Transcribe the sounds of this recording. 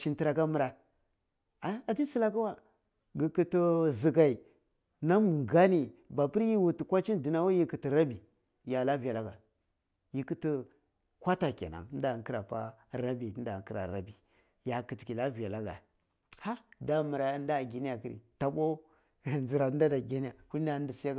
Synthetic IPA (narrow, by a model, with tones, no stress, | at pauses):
ʃi˨nti˨ɾa˨ka˦mu˨ɾa˨ | a˨˦a˨tu˦si˦la˦ka˦wa˨ | ɡi˨ki˦tə˦zi˨ɡa˨i˨ | na˦m˨ŋɡa˦ni˨ba˨pi˦ɾji˦wu˨ti˨kʷa˦t͡ʃi˦ndi˨na˦wa˦ji˦kə˨ti˨ɾa˦bi˨ | ja˨la˦vi˨ja˨la˦ɡa˨ | ji˦kə˦ti˦ | kʷa˦ta˨kḛ˨na̰˨˦n˦da˨˦ki˦ɾa˨pa̰˦ɾa˦bi˨˦n˦da˨ŋ˦ki˦ɾa̰˨ɾa̰˦bi˨ | ja˨kə˨ti˨ki˨la˦vi˨ja˨la˦ɡa̰˨ | ha˦da˨mu˨ɾa˨˦nda˦˨ɡi˨ni˦a˨ki˦ɾḭ˨ta˨ɓo˦˨ | nzi˨ɾa˨˦n˦da˦da˨ɡi˦ni˦a˨hu˦a˦n˦di˨si˦ja˦k